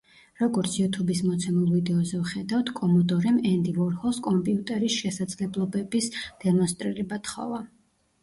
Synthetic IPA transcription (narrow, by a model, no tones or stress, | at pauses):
ɾɔɡɔɾt̪sʰjut̪ʰubismɔt̪sʰɛmulˠvid̪ɛɔzɛvχɛd̪aft̪ʰkʼɔmɔt̪ʼɔɾɛmɛnd̪ivɔɾhɔskʼɔmpʼiut̪ʼɛɾisʃɛsad̪z̥lɛblˠɔbɛbisd̪̥ɛmɔnst̪ʼɾiɾɛbat̪ʰχɔ̰va